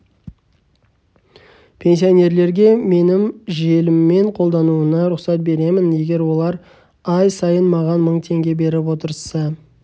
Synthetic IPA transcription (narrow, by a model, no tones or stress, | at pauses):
pʲʰe̞ns̬ijo̞ne̞ɾle̞ɾɡʲe̞me̞nɪmʒe̞lɪmːe̞ɴqʰo̞lˠd̪ɑnuənɑɾʊqsɑt̪̚be̞ɾe̞mɪnje̞ɡʲe̞ɾwo̞lˠɑɾ | ɑjsɑjənmɑʁɑnməɴt̪ʰe̞ŋɡʲe̞be̞ɾɪp̬wo̞t̪əɾsɑ